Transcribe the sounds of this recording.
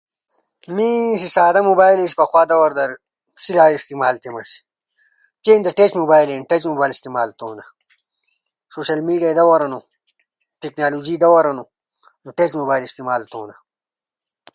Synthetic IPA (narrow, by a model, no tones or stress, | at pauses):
mĩːsisaːd̪ɐmoːbaːjlispɐxwaːd̪ɐwɐɾd̪ɐɾ | silaːist̪imaːlt̪emɐsi̥ | t̪eːnd̪ɐʈet͡ɕmuːbaːjleːnʈet͡ɕmoːbaːjlist̪imaːlt̪oːnɐ | soːɕɐlmiːɖiaːid̪ɐwɐɾɐnu | ʈeknaːluːd͡ʑid̪ɐwɐɾɐnu | nuʈet͡ɕmoːbaːjlist̪imaːlt̪oːnɐ